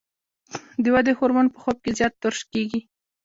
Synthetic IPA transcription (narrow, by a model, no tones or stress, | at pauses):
d̪əwad̪ehoɾmanpəxob̚kezjɑt̪ːʊɾʃkeɡi